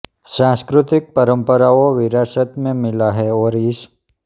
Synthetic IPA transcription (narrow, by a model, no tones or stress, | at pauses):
sãskɾut̪ik̚pəɾəmpəɾaoʋɪɾasət̪mẽmɪlaɦɛoɾis